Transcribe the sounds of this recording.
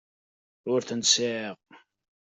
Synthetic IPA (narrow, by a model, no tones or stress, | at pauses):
ʊɾθənsiʁ